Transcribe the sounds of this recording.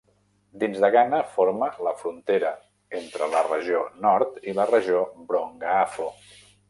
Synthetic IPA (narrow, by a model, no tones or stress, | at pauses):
d̪inzðəɣanəfoɾmələfɾunt̪eɾə | ent̪ɾələrəʒionɔɾt̪ilərəʒiobɾoŋɡəafo